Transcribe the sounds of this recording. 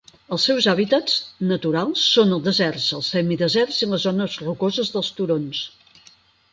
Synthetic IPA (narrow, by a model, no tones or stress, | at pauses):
əlˠsɛwzaβit̪ət͡snət̪uɾalˠsːonəlˠd̪əzɛrzəlˠsɛmiðəzɛrzinləzonəzrukozəzðəlˠst̪uɾons